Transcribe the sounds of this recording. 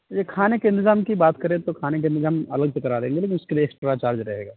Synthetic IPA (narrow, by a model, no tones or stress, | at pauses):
jekʰaːnekeɪ̃nt̪ɪzaːmkibaːt̪kɐɾẽt̪okʰaːnekeɪ̃nt̪ɪzaːmɐləɡsekɐɾaːɾd̪ẽːŋɡeleːk̬ɪnʊskelijeːksʈɾat͡ʃaːɾd͡ʒɾɐɦeːɡaː